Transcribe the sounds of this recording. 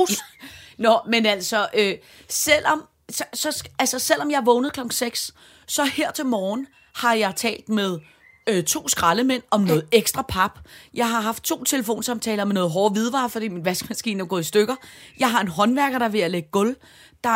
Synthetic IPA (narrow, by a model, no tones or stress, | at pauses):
nɒ̽menæl̰sɒ̽ʔøː | sel̰ɒ̽m | ssɒ̽ælsɒsel̰ɒ̽mjɑ̈ʋɔ̽ʊnəð̩ˠkʰlɒ̽ɡ̥ŋ̩seɡ̥s | sɒ̽heɐ̰t͡sʰe̝lmɒːn̩ | hɑ̈jɑ̈ɪt͡sʰɛ̰ːld̥með̞ˠ | øt͡sʰo̝̰ːsɡ̥ʁɑ̈ləmen̰ɒ̽mnɔ̽ːð̩ˠeɡ̥sd̥ʁɑ̈pʰɑ̈b̥jɑ̈ɪɦɑ̈ɦɑ̈fd̥̚t͡sʰo̝̰ːt͡sʰe̝ləfo̝̰ːnsɑ̈mt͡sʰɛ̰ːlɐmenɔ̽ːð̩ˠɦɒːʋið̞ˠʋɑ̈ːfɒd̥ḭːminʋæsɡ̥mæsɡ̥ḭːnoɡ̥ɔ̰isd̥øɡ̥ɐjɑ̈ɪɦɑ̈e̝nɦɒ̽nʋæɐɡ̥ɐɾ̥ɑ̈ʋe̝æleɡ̥əɡ̥ɔ̽l | d̥ɑ̈